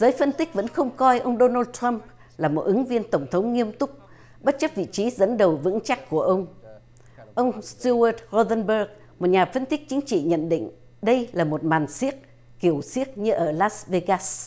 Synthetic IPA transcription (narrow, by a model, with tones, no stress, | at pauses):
zəː˨˦jfə˧nt̪ï˦˥k̟̚və̰˧˥nxə˧wŋ͡mkɔ˧jʔə˧wŋ͡mɗo˧naː˧t̚t̪ʰɾa˧mp | laː˨˩mo˨˩t̚ʔɨ˨˦ŋvi˧ənt̪ə˧˩wŋ͡mt̪ʰə˨˦wŋ͡mŋi˧əmt̪ʊ˦˥k͡p̚ | ɓə˦˥t̚t͡ɕə˦˥p̚vḭ˧˨t͡ɕi˨˦zə̰˧˥nɗə˨˩wvɨ̰˧˥ŋt͡ɕa˦˥k̚ku˧˩əʔə˧wŋ͡m | ʔə˧wŋ͡mst̪u˧ə˧˩t̚zo˧zə˧nɓəː˧k | mo˨˩ɲaː˨˩fə˧nt̪ï˦˥k̚t͡ɕi˨˦ŋ̟t͡ɕḭ˧˨ɲə̰˧˨nɗḭ̈˧˨ŋ̟ | ɗə˧jlaː˨˩mo˨˩t̚maː˨˩nsi˦˥ət̚ | ki˧˩əwsi˦˥ək̚ɲɨ˧ʔəː˧˩laː˦˥sve˧ɣaː˦s